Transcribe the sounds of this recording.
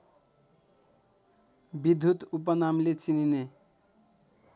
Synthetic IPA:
bid̪ʱːut̪up̬ʌnamlet͡sinine

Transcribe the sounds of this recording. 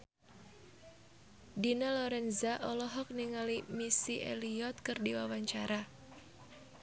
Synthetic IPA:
dinalɔɾɛnzaʔɔlɔɦɔk̚niŋalimisiʔḛliɔt̪̚kɨrdiwawaɲt͡ʃaɾa

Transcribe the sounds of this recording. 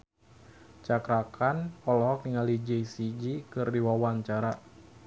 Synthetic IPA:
t͡ʃakɾakʰanpɔlɔɦɔk̚niŋalid͡ʒɛjsid͡ʒikɨrdiwawaɲt͡ʃaɾa

